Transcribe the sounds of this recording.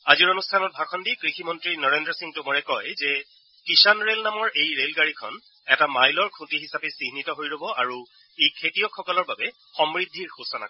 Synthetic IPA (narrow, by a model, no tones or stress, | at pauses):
aziɹonustʰanɔt̚bʱakʰɔndikɹiximɔntɹinɔɹendɹɔsiŋtʊmoɹɛkɔjzɛ | kisanɹelnamɔɹʔejɹelɡaɹikʰɔn | ɛtamajlɔɹkʰũtiɦisapɛsiɦnitɔɦojlobɔʔaɹu | ejkʰetijɔkʰːɔkɔlɔɹbabɛ | xɔmɹidʱːiɹxusɔna̰kɔ